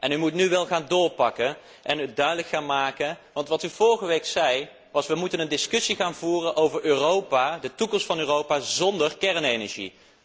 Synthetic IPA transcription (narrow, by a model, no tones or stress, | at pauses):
ʔɛnymutnyʋɛlˠχaːndʊːɹpɑkən | ʔɛnydœɥdələkχaːnmaːkənʋɑntʋɑtyv̥ɔɹχəʋejksɛj | ʋɑsʋəmutənəndɪskɵsiχaːnvuːrənʔowvəɹøːrowpaːdətukɔmstfɑnøːrowpaːzɔndəɹkɛɹnejnəɹʒḭ